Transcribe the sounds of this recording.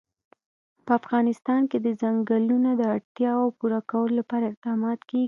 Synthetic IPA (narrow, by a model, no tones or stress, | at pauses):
pəafɣɑnɪst̪ɑnked̪əzaŋɡəlunad̪əaɽt̪jɑawpuɾakawəlolapɑɾaɪq̚d̪ɑmɑt̪ke